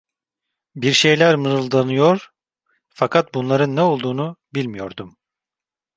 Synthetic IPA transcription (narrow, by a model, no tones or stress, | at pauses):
biɾʃe̞jlʲæɾmɯɾɯlˠd̪anɯjo̞ɾ̥ | fakʰat̪̚bunlˠaɾɯnːɛo̞lˠd̪uːnubilʲmijo̞̰ɾd̪um